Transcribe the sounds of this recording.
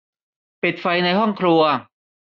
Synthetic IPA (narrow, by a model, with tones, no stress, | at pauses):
pi˨˩t̪̚fa˧jna˧jɦɔ˥˩ŋkʰɾu˧ɐ